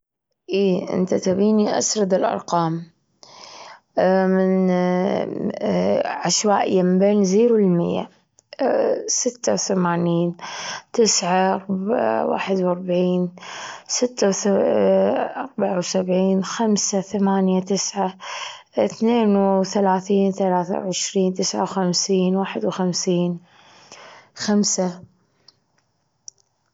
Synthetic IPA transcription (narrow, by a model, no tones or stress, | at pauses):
ʔiːʔɪ̰nt̪at̪abiːniʔa̰sɾˤɑd̪ɪlʔɑ̰ɾˤqɑːm | mɪn | ʕaʃwaːʔɪ̰jːamɪmbeːnziːɾwɪlmɪ̰jːa̰ | sɪt̪ːawθamaːniːnt̪ɪsʕaɑɾbwa̰ːħɪd̪wɑɾˤbʕiːnsɪt̪ːaw | ʔɑɾˤbaʕawsabʕiːnxamsaθamaːnjat̪ɪsʕa | θneːnθalaːθiːnθalaːθa̰wʕɪʃɾiːnt̪ɪsʕa̰wxamsiːnwaːħɪd̪wxamsiːn | xamsa